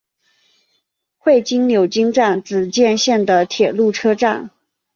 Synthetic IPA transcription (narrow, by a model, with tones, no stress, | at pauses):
xwe˥˩ɪt͡ɕi˥ŋnjo˨˩ʊt͡ɕi˥ŋʈ͡ʂa˥˩nt͡sɹ̩˨˩t͡ɕjɛ˥˧nɕjɛ˥˩nd̪ə˩t̪ʰjɛ˨˩lu˥˩ʈ͡ʂʰɤ˥ʈ͡ʂa˥˩n